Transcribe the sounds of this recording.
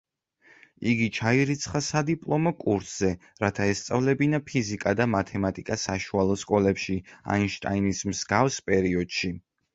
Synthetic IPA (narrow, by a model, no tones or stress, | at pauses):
iɡit͡ʃʰaiɾit̪sʰχasad̪ipʼlˠɔmɔkʼuɾsz̥ɛ | ɾat̪ʰaɛst̪sʼavlɛbinapʰizikʼad̪amat̪ʰɛmat̪ʼikʼasaʃualˠɔskʼɔlɛpʃia̰inʃt̪ʼa̰inismzɡafspʼɛɾiɔd̪̥ʃi